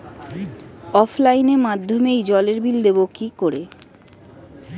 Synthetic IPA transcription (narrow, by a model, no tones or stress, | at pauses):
ɔfʰlajneɾmad̪ʱːomejd͡ʑɔleɾbild̪ebokikoɾe